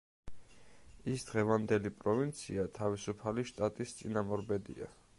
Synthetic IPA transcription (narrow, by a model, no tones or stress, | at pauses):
isd̪̥ʁɛvand̪ɛlipʼɾɔvint̪sʰiat̪ʰavisupʰaliʃt̪ʼat̪ʼist̪sʼinamɔɾbɛd̪ḭa̰